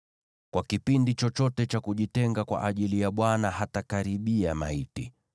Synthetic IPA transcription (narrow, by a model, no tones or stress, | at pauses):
kwakipindit͡ʃɔt͡ʃɔtɛt͡ʃakuʄitɛŋɡakwa̰ʔaʄilijaɓwanahatakaɾiɓiama̰iti